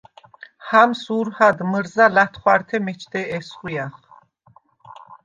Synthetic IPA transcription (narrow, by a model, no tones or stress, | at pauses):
hamsuɾhad̪məɾzalat̪ʰχwaɾt̪ʰɛmɛt͡ʃʰd̪ɛːsχujaχ